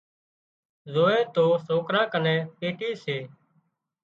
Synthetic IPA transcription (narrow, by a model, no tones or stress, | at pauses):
zoːeːt̪oːsoːkɾãːkənɛ̃ːpeːʈiːseː